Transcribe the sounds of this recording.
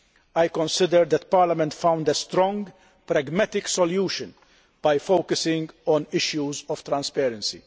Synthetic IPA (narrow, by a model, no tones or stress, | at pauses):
ajkɔ̃nsɪd̪əɾd̪ðɛt̪̚paːɾlɐmɛ̃nt̪fãw̃nd̪əst̪ɾɔ̃ŋɡ | pɾɛɡmɛt̪ɪksɔljuːʃɨ̃n | b̥ajfowkəsɪ̃ŋɡɔ̃nɪʃjuzɔft̪ɾɐ̃nspɛːɾɛ̃nsḭ